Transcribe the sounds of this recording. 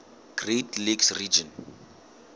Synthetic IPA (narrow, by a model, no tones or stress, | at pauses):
ɡ̥retliɡsrid͡ʒɔ̃n